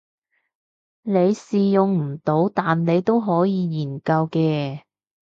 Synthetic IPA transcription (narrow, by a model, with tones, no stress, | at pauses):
ne˨˧jsiː˨jʊ˨ŋm̩˨˩t̪o˨˥wt̪aː˨nne˨˧jt̪o˥wɦɔː˨˥jiː˨˧jiː˨˩nkɐ˧wkɛː˧